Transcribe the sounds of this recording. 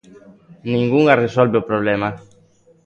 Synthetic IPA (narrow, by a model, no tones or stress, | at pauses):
nĩŋɡuŋaresolbeopɾoβlema